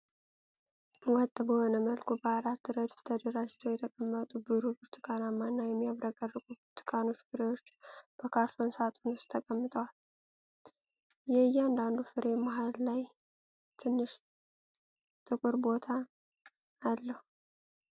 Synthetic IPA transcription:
wɔt̪ʼbəho̞nəməlkʰubəaɾat̪ːɨɾəd̪ft̪ʰəd̪əɾad͡ʒt͡ʃ̪ʰːəwjɛt̪ʰəkʼəmːət̪ʼubɨɾubɨɾt̪ʰɨ̥kʼanamːanːajɛmːijaβɾaɡʼərːɨɡʼubt̪ʰɨ̥kʼano̞t͡ʃːɡɨɾewo̞t͡ʃːb̥əkʰaɾfonsat̪ʼonust̪t̪ʰəkʼəmːɨt̪ʼəwal | jɛɨjɛand̪and̪ufɨɾʔe̞maɦalːaj | t̪ʰɨnːɨʃ | t̪ʼɨkʼɨɾbo̞t̪ʰaː | lːəhu

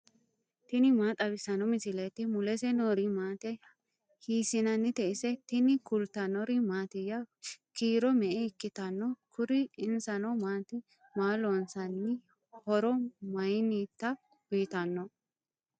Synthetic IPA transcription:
t̪ɪnɪmaːt̪ʼɐbɪsɐnɔmɪsɪlɛt̪ːɪmʊlɛsɛnɔɾimaːt̪ɛ | hiːsɪnɐnːɪt̪ɛʔɪsɛt̪ɪnɪkʊlt̪ɐnɔɾimaːt̪ɪjːɐkiːɾɔmɛʔɛɪkːɪt̪ɐnːɔkʰʊɾɪɪnsɐnɔmaːt̪ɪ | maːlɔnsɐnːɪ | hɔɾɔmɐjnit̪ːɐ | b̥iːt̪ɐnːɔ

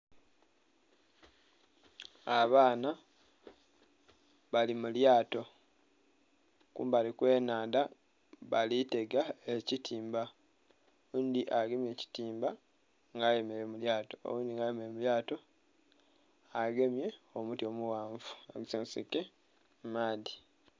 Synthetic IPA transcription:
aβaːna | βalimuljaːto̞ | kṵːmbalikwe̞ːnaːnda | βalite̞ɡaecitʰiːmba | owuːndiʔaɡe̞mje̞ːci̥tiːmba | ŋɡaje̞meɾemuljaːto̞o̰wuːndiŋɡajemeemuljaːto̞ | aɡe̞mje̞omutjo̞ːmuwaːɱvu̥aɡsensḭke | maːði

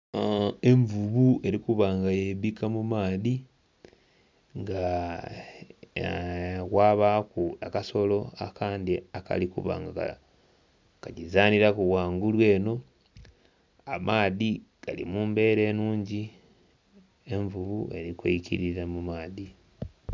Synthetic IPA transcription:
e̞ɱvuβue̞ɾikuβaŋɡajeβikʰamumaːði | ŋɡa | waːβakuakaso̞lo̞akaːnd̪iaka̰likṵβa̰ŋɡaa̰ | kaɟizaːniɾakuβwaːŋɡulwe̞ːno̞ | amʔaːðiɡ̥alḭmuːmbe̞ɾe̞ːnuːɲɟi | e̞ɱvuβue̞ɾikwḛicḭɾiɾamumaːði

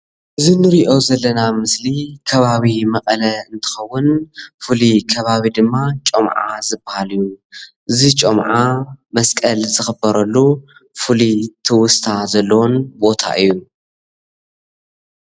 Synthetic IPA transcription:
ʔɨzinɨɾiʔo̞zɐlːɐnamɨslikʰɐβaβimɐkʼɐlɐɨnt̪ʰɨ̥xɐwːʊnfɨlikʰɐβaβid̪ɨmːat͡ʃʼɐmʕa̰zɨbahalɨjuʔɨzit͡ʃʼomʕamɐskʼɐlzɨxɨbɐɾɐlːufɨlit̪ʰɨwʊst̪ʰazɐlːɐwonbo̞t̪ʰa̰ʔɨjːu

